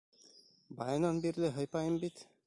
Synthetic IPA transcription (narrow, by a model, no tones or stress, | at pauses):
bɑjanɑnbiɾlɘɦɤjpɑjəmbit̪